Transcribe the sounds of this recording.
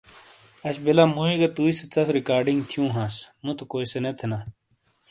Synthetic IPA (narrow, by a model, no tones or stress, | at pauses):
ɐt͡ɕʰbelamoːiɡɐt̪uːiset͡sɐsɾikaːɾɖiŋɡt̪ʰjũːɦãːsmũt̪ʰukoːjsenet̪ʰena